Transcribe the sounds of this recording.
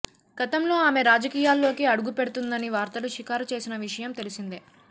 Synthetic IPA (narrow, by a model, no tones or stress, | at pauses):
ɡ̥ɐt̪ɐmlo̞ːaːme̞ɾaːd͡ʒɐkiːjaːlːo̞ːkiɐɽuɡupe̞ɽut̪und̪ɐniʋaːɾt̪ɐluʃikaːɾɐt͡ʃe̞ːsinɐʋiʂɐjɐmt̪e̞lisind̪e